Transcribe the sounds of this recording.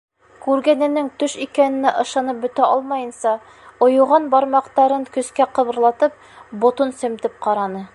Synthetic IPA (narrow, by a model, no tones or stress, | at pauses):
kʉɾɡænɘ̆nɘŋt̪ɵʃikænɘ̆næʔɤ̆ʃɑnɤp̚bɵ̆t̪æʔɒlˠmɑjɤ̆nsɑ | ŏjuʁɑnbɒɾmɑqt̪ɑɾɤŋkɵ̆skæqɤ̆βɤ̆ɾlˠɑt̪ɤp̚ | bŏt̪onsɵ̆mt̪ɘp̚qɑɾɑnɤ